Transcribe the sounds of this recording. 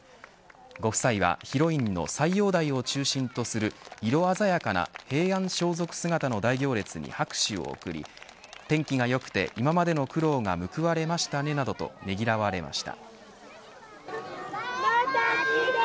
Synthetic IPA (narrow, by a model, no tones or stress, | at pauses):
ɡo̞kɯ̟̥saiβa̰çiɾo̞ĩnːo̞̰saijo̞ːd̪aio̞t͡ɕɨːɕĩnt̪o̞sɨɾɯ̟iɾo̞azajakana̰he̞ːãɰ̃ɕo̞ːzo̞kɯ̟̥sɨɡat̪ano̞d̪aiɡʲo̞ːɾe̞t͡sɨɲ̟ḭhakɯ̟̥ɕio̞̰o̰kɯ̟ɾʲḭt̪ẽ̞ŋkʲiɡajo̞kɯ̥t̪e̞̰ʔimamad̪e̞no̞kɯ̟ɾo̞ːŋa̰mɯ̟kɯ̟βaɾe̞maɕi̥t̪ane̞nad̪o̞t̪o̞̰ne̞ɡʲiɾaβaɾe̞ma̰ɕi̥t̪a̰